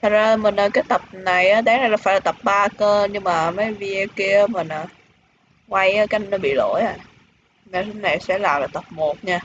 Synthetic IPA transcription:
t̪ʰə˨˩t̚zaː˧˨mi˨˩ŋəː˨˩kaː˨˦jt̪ə˨˩p̚na˨˩jʔaː˨˦ɗaː˨˦ŋna˨˩jla˨˩faː˧˥jlaː˨˩t̪ə˨˩p̚ɓaː˧kəː˧ɲɨ˧ŋmaː˨˩məː˨˦jvi˧ki˧ə˨˦ma˨˩naː˨˩ | kwa˧jʔaː˨˦kaː˨˦˨nɔ˨˦ɓḭ˧˨lo̰˧˩jaː˧˩ | naː˨˩sə˨˧˦na˨˩jsɛ̰˧˥laː˨˩laː˨˩t̪ə˨˩p̚mo˨˩t̚ɲaː˧

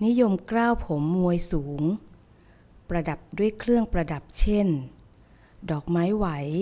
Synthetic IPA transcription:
ni˦˥jo˧mkɾaː˥˩wpʰo˩˦mːu˧əjsuː˩˦ŋ | pɾa˧da˨˩p̚du˥˩əjkʰlɯ˥˩əŋpɾa˧da˨˩p̚t͡ɕʰe˥˩n | dɔː˨˩k̚maː˦˥jwa˩˦j

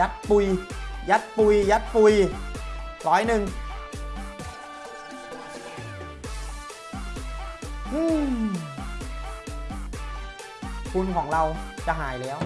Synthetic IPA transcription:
a˦˥t̪̚pu˧jja˦˥t̪̚pu˧jja˦˥t̪̚pu˧j | lɔː˦˥jnɯ˨˩ŋ | ʔɯː˧˩ | kʰu˧nkʰɔː˩˦ŋla˧wt͡ɕa˧˩ɦaː˩˦jlɛː˦˥w

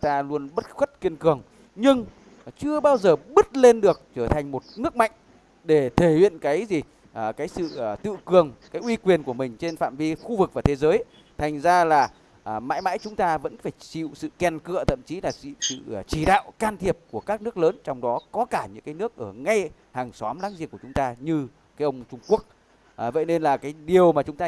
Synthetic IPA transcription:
t̪aː˧lu˧ənɓə˦˥t̚xwt̚ki˧ənkɨ˨˩əŋ | ɲɨ˧ŋ | t͡ɕɨ˧əɓaː˧wzəː˨˩ɓɨ˦˥t̚le˧nɗɨ˨˩ək̚t͡ɕəː˧˩t̪ʰa˨˩ŋ̟mo˨˩t̚nɨ˦˥ək̚ma̰˧˨jŋ̟ | ɗe˧˩t̪ʰe˧˩hw̰ḭ˧˨ə˨nkaː˨˦jzi˨˩ | ʔkaː˨˦jsɨ̰˧˨˩t̪ɨ̰˧˨kɨ˨˩əŋkaː˨˦jʔwi˧kwi˨˩ənku˧˩əmï˨˩ŋ̟t͡ɕe˧nfa̰ː˧˨mvi˧xu˧vɨ˨˩k̚vaː˨˩t̪ʰe˨˦zəː˨˦j | t̪ʰa˨˩jŋ̟zaː˧laː˨˩ | ma̰ː˧˥jma̰ː˧˥jt͡ɕʊ˨˦ŋ͡mt̪aː˧və̰˧˥nfaː˧˩jt͡ɕḭ˧˨wsɨ̰˧˨kɛ˨˩nkɨ̰˧˨ət̪ʰə̰˧˨mt͡ɕi˨˦la̰ː˨˩˧sɨ̰˧˨˩t͡ɕi˧˩ɗa̰ː˧˨wkaː˧nt̪ʰi˨˩əp̚ku˧˩əkaː˦˥k̚nɨ˦˥ək̚ləː˨˦nt͡ɕɔ˧wŋ͡mɗɔ˨˦kɔ˨˦kaː˧˩ɲɨ̰˧˥ŋkaː˨˦jnɨ˦˥ək̚ʔəː˧˩ŋa˧j | haː˨˩ŋsɔ˨˦mlaː˨˦ŋzḭ˧˨əku˧˩ə˩ʊ˨˦ŋ͡mt̪aː˧ɲɨ˧ | kaː˨˦jʔə˧wŋ͡mt͡ɕʊ˧ŋ͡mku˦˥ək̚ː | və̰˧˨jne˧nlaː˨˩kaː˨˦jɗi˨˩əwmaː˨˩t͡ɕʊ˨˦ŋ͡mt̪aː˧

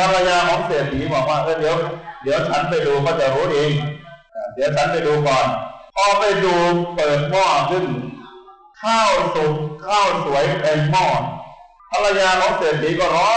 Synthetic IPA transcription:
pʰa˧la˧jaː˧kʰɔː˨˦ŋsi˨˩ət̪̚siː˨˦bɔː˨˩k̚waː˧˥˩ʔɤː˧˩d̪i˨˦əwdi˨˦əwt͡ɕʰa˦˥np̬a˧jduː˧kʰɔː˥˩t͡ɕa˨˩ɾuː˦˥ʔeː˧ŋʔa˧˩diː˨˩˦əwt͡ɕʰa˦˥npa˧jduː˧kɔː˨˩npʰɔː˧pa˧jduː˧pɤː˨˩t̪̚mɔː˧˩sɯ˧˩ŋ | kʰaː˥˩wsu˨˩t̚kʰaː˥˩wsu˩˦əjʔa˧jmɔː˧˩ | p̪ʰa˧la˧jaː˧kʰɔː˨˦ŋsi˨˩ət̪̚siː˨˦kɔː˧˩ɾɔː˦˥

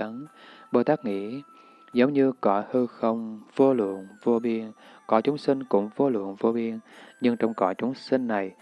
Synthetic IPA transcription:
ə˨˦nɓo˨˧˩jt̪aː˦˥k̚ŋḭ˧˥ | zə˨˦wŋ͡mɲɨ˧kɔ˨˩˦hɨ˧xə˧wŋ͡mvo˧lwɨ̰˧˨ənvo˧ɓi˧ən | kɔ˨˦t͡ɕʊ˨˦ŋ͡msï˧ŋ̟kʊ̰˧˥ŋ͡mvo˧lwɨ̰˧˨ənvo˧ɓi˧ənɲɨ˧ŋt͡ɕɔ˧wŋ͡mkɔ˧˩t͡ɕʊ˨˦ŋ͡msï˧ŋ̟ːa˨˩j

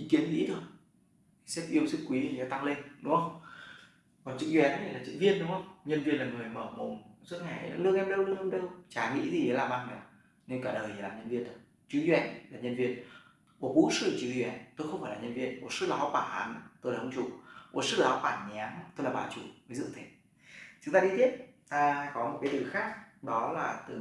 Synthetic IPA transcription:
ʔi˨˦ki˨˦ənŋḭ˧˥ɗək̚ | sɛ˦˥p̚ʔi˧əwsɨ˦˥k̚kwi˨˦˨ə˨˦t̪a˧ŋle˧nːṵ˧˥ə˧wŋ͡m | kɔ˨˩nt͡ɕɨ̰˦˧˥k̚zwɛ˨˩n˨˦a˧˩laː˨˩t͡ɕɨ̰˧˥vi˧ənɗʊ˨˦ŋ͡mə˧wŋ͡mɲə˧nvi˧ənlaː˨˩ŋɨ˨˩əjməː˧˩mo˨˩ŋ͡mzwə˦˥t̚ŋa˨˩˨lɨ˧əŋʔɛ˧mɗə˧wlɨ˧əŋɛ˧mɗə˧wt͡ɕaː˨˩ŋḭ˧˥zi˨˩ze˨˦laː˨˩mʔa˧ŋnɛ˨˩ | ne˧nkaː˧˩ɗəː˨˩jt̪i˨˩laː˨˩mɲə˧nvi˧ənɗɨ˨˩ə˩k̚ | t͡ɕɨ˨˦zwɛ˧˦nlaː˨˩ɲə˧nvi˧ən | ku˧˩əkṵ˧˥sɨ̰˧˨t͡ɕɨ˨˦zwɛ˨˦nt̪o˧jxə˧wŋ͡mfaː˧˩jlaː˨˩ɲə˧nvi˧ənm˨˩t̚sɨ̰˦˧˥la˨ɔ˨˦kwaː˧˩nʔa̰ː˨˦n˨˦t̪o˧jlaː˧˨˩hə˧ŋ͡mt͡ɕu˧˩ɓo˨˩t̚sɨ˦˥˧ɔ˨˦kwaː˧˩nɲ˨aː˨˦ŋ˧t̪o˧jlaː˨˩ɓaː˨˩t͡ɕu˧˩və˨˦jzɨ̰˧˨t̪ʰe˨˩ | t͡ɕʊ˨˦ŋ͡mt̪aː˧ɗi˧t̪ʰi˦˥əp̚t̪aː˧kɔ˨˦mo˨˩t̚kaː˨˦jt̪ɨ˨˩xaː˦˥k̚ɗɔ˨˦laː˨˩t̪ɨ˨˩

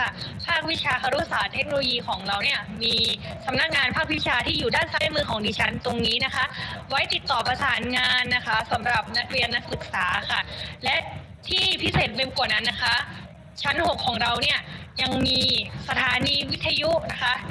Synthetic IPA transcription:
kʰa˥˩pʰaː˥˩k̚wi˦˥t͡ɕʰaː˧kʰa˧ɾu˦˥saː˨˩˦t̪ʰe˦˥k̚no˧loː˧jiː˧kʰɔː˩˦ŋɾa˧wni˥˩ɐmiː˧sa˩˦mna˦˥k̚ŋaː˧npʰaː˥˩k̚wi˦˥t͡ɕʰaː˧t̪ʰiː˥˩juː˨˩daː˥˩nsa˧˦˥mɯː˧kʰɔː˩˦ŋdiː˧t͡ɕʰa˦˥nt̪o˧ŋniː˦˥na˦˥kʰa˦˥ʔwa˦˥jt̪i˨˩t̪ːɔː˨˩pa˧saː˩˦nŋaː˧nːa˦˥kʰa˦˥sa˩˦mɾa˨˩p̚na˦˥k̚ɾi˧ənːa˦˥k̚sɯ˨˩k̚saː˩˦kʰa˥˩lɛ˦˥ʔ | t̪ʰiː˥˩pʰi˦˥seː˨˩t̪̚be˧mku˨˩na˦˥nːa˦˥kʰa˦˥ | t͡ɕʰa˦˥nho˨˩kʰːɔː˩˦ŋɾa˧wni˥˩ɐja˧ŋmiː˧sa˧t̪ʰaː˩˦niː˧wi˦˥t̪ʰːa˧ju˦˥na˦˥kʰa˦˥ʔ

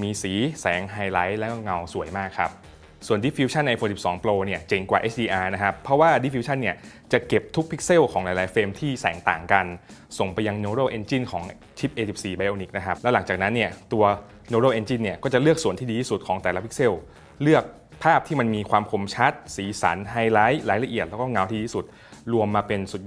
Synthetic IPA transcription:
miː˧siː˩˦sɛː˩˦ŋɦaː˧jla˦˥jlɛ˦˥ʔŋa˧wsu˨˩˦əjmaː˥˩kʰːa˦˥p̚ | su˨˩əndi˦˥fʰi˧˦˥t͡ɕʰa˥˩nʔa˧foː˧si˨˩p̚sɔː˩˦ŋploː˧ni˥˩ɐt͡ɕe˨˩ŋkwa̰ː˨˩ʔeː˦˥t͡ɕ̚ʰdiː˧ʔaː˧na˦˥kʰa˦˥pʰːɔ˦˥waː˥˩di˦˥fi˧˥t͡ɕʰa˥˩nːi˥˩ət͡ɕa˨˩ke˨˩p̚t̪ʰu˦˥k̚pʰi˦˥k̚se˥˩wkʰɔː˩˦ŋlaː˨˧˦jlaː˨˩˦jfeː˧mt̪ʰiː˥˩sɛː˩˦ŋt̪a̰ː˨˩ŋka˧nso˨˩ŋpa˧jːa˧ŋnoː˧ɾo˥˩wʔe˧nt͡ɕi˥˩nkʰɔː˩˦ŋ | t͡ɕʰi˦˥p̚ʔeː˧si˨˩p̚siː˨˩ba˧jʔoː˧ni˨˦˥k̚na˦˥kʰa˦˥p̚lɛ˦˥la˩˦ŋt͡ɕaː˨˩k̚na˦˥nːi˥˩ət̪u˧ɐ | noː˧ɾoː˥˩wʔe˧nt͡ɕi˥˩nːi˥˩ɐkɔː˥˩t͡ɕa˨˩lɯ˥˩ək̚su˨˩˦nt̪ʰiː˥diː˧t̪ʰiː˥˩su˨˩t̪̚kʰɔː˩˦ŋt̪ɛː˨˩la˦˥pʰi˦˥k̚se˥˩w | lɯ˥˩ək̚ | pʰaː˥˩p̚t̪ʰiː˥˩ma˧nmiː˧kʰwaː˧mkʰo˧˩mt͡ɕʰa˦˥t̪̚siː˩˦sa̰˩˦nɦa˧jlaː˦˥jlaː˩˦jla˧ʔi˨˩ət̪lːkɔː˥˩ŋa˧˦˩wt̪ʰiː˥˧iː˥˩su˨˩t̪̚ | ɾu˧əmːaː˧pe˧nsu˨˩t̪̚

